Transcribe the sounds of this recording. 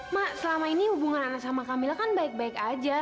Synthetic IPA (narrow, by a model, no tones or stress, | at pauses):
masəlamainihubuŋananak̚samakamilakanbaɪk̚baɪkad͡ʒa